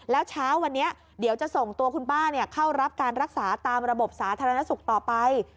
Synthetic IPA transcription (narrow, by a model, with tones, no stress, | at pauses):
lɛː˦˥wt͡ɕʰaː˦˥wːa˧nːi˦˥ɐʔ | di˨˩˦wt͡ɕa˨˩ʔso˨˩ŋt̪u˧ɐkʰu˧nbaː˥˩ni˥˩ɐkʰa˥˩wɾa˦˥p̚kaː˧nɾa˦˥k̚saː˩˦t̪aː˧mɾa˧bo˨˩p̚saː˩˦t̪ʰa˧ɾa˧na˦˥su˨˩k̚t̪ɔː˨˩pa˧j